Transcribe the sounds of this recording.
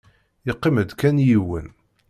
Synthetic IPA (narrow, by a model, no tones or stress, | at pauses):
iqːiməd̪kænjiwə̰n